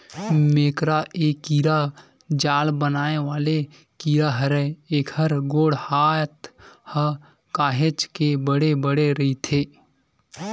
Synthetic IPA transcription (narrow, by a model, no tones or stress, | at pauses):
meːkɾaʔeːkiːɾa | d͡ʒaːlbənaːeʋaːle | kiːɾaɦəɾɛeːkhəɾɡoːɽhaːt̪hə | kaːɦet͡ʃkebəɽebəɽeɾəit̪ʰeː